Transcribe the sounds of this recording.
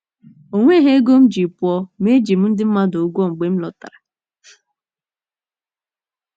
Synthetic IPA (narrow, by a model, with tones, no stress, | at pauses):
o˨ŋʷe˦ɦe˦e˦ɡo˦m̩˦d͡ʒi˨pʊ˨ɔ˦me˦d͡ʒi˨m̩˦n̩˦dɪ˦m̩˦ma˦do˨ɡʷɔ˦˨ŋ͡m̩˨ɡ͡be˨˦m̩˦lɔ˨ta̰˨ɾa˨